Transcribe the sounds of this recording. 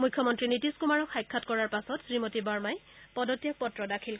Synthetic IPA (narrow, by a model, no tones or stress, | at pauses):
mujkʰːjɔmɔntɹinitiskumaɹɔkxajkʰːatkɔɹaɹpasɔtsɹimotibaɹmajpɔdɔtjɔk̚pɔtːɹɔdakʰil